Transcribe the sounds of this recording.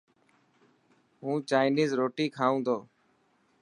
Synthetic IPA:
ɦũːt͡ʃaːɪniːzɾoːʈiːkʰaːũːnd̪oː

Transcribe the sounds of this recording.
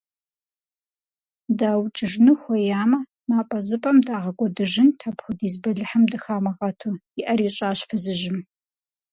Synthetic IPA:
daːwt͡ʃʼɪʐnɨxʷɔjaːmɐ | maːpʼɐzɨpʼɐmdaːʁɐkʷʼɔdɨʒɪntʰɐpxʷʊdiːzbɐɮɨħɨmdɨxaːmɐʁɐtʰujɪʔɐɾiːɕʼaːɕfɨzɨʒɪm

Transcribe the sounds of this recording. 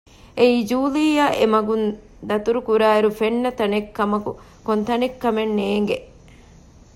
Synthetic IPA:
eiːd͡ʒuːliːjɐʔḛmɐɡun | d̪ɐt̪uɾukuɾaːeɾufenːɐt̪ɐnekːɐmɐkṵ | kont̪ɐnekːɐmenːeːŋɡe

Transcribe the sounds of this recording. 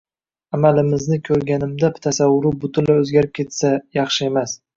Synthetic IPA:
amalɪmɪznɪkʲʰɵɾɡʲanɪmd̪apɪt̪ʰasawːʊɾʊbʊt̪ʰʊnlaɵzɡʲaɾɪp̚kʲʰe̞t̪sajɑχʃɪe̞mas

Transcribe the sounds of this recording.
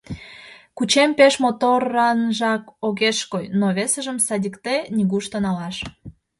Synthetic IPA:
kut͡ɕempeʃmot̪orɑnʒɑkoɣeʃkojnoβesəʒəmsɑdʲikt̪enʲiɣuʃt̪ənɑlɑʃ

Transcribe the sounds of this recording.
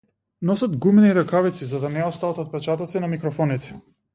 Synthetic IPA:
nɔsad̪ɡumɛniɾakavit̪sizad̪anɛɔst̪avat̪at̪̚pɛt͡ʃat̪ɔt̪sinamikɾɔfɔnit̪ɛ̥

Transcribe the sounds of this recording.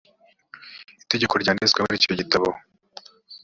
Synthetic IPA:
ite̞ɟeko̞ɾɟaːneskwaβaɾico̞ɟitaβo

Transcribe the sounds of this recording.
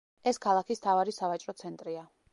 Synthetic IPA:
ɛskʰalˠakʰist̪ʰavaɾisavat͡ʃʼɾɔt̪sʰɛnt̪ʼɾia

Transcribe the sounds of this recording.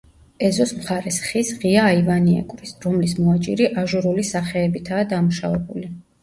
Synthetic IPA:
ɛzɔsmχaɾɛsχisʁiaːivaniɛ̰kʼɾisɾɔmlismɔat͡ʃʼḭɾiʔaʒuɾulisaχɛːbit̪ʰaːd̪amuʃa̰vɛbuli

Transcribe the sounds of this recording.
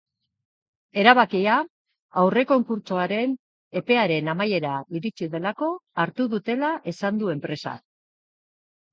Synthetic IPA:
e̞ɾaβakia | awre̞ko̞ŋkuɾt͡ʃoaɾe̞n | e̞pe̞aɾe̞namaje̞ɾaβiɾit͡siðe̞lako̞aɾt̪uðut̪e̞laʔe̞sand̪ue̞mpɾe̞sa̰

